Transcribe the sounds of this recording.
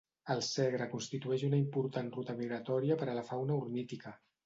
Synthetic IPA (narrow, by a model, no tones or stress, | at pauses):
əlˠsɛɣɾəkunst̪it̪uɛʃunəimpuɾt̪anrut̪əmiɣɾət̪ɔɾiəpəɾəlɐfawnəuɾnit̪ikə